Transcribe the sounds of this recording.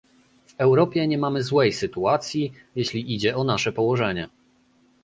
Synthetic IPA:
v̥ɛwɾɔpʲjɛɲɛmamɘzwɛjsɘt̪uat̪sʲji | jeɕlʲiʔid͡ʑɛɔnaʂɛpɔwɔʐɛɲɛ

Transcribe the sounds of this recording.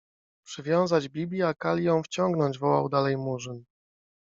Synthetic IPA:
pʂɘvʲjɔ̃w̃zad͡ʑbʲibʲlʲiakalʲijɔ̃w̃ft͡ɕɔŋɡnɔɲd͡ʑvɔwa̰wd̪alɛjmuʐɘn

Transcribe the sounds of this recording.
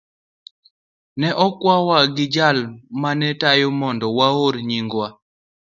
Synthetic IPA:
nɛʔɔkwawaɡɪd͡ʒalmanɛtajomɔndɔwaoɾɲiŋɡwa

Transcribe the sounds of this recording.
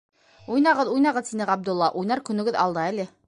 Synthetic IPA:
ujnɑʁɤðujnɑʁɤðsinɘʁɑb̚d̪olˠːɑʔujnɑɾkɵ̆nɵ̆ɡɘðɑ̰lˠd̪ɤælɘ

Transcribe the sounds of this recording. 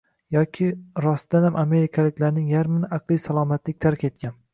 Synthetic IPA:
jɒkʲʰɪɾɒsd̪anhamʔame̞ɾɪkʰalɪkʲlaɾnɪŋjaɾmɪnɪʔɑqlˠijsalˠɒmat̪lɪk̚ʲt̪ʰaɾkʲʰe̞t̪̚kʲan

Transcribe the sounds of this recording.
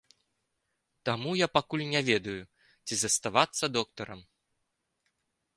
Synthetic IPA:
t̪amujapakulʲnʲavʲɛd̪ɐju | t͡sʲizɐst̪avat̪sːɐd̪ɔk̚t̪ɐɾɐm

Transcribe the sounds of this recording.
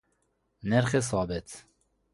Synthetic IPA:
nɛɾχes̬ɑːbɛt̪ʰ

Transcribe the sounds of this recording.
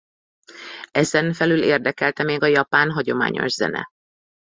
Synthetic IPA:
ɛzɛnfɛlyleːrd̪ɛkɛlt̪ɛmeːɡɒjɒpaːnɦɒɟo̞ma̰ːɲo̞̰ʒz̥ɛ̰nɛ̰

